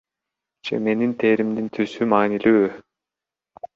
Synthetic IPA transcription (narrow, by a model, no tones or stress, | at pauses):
d͡ʒḛme̞nint̪ʰeːɾimd̪int̪ʰysymaːnilyː